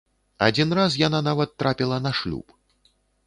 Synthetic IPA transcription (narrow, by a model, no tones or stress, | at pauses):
a̰d͡zʲinras̬jananavɐt̪ːɾapʲilˠɐnɐʂlʲṵp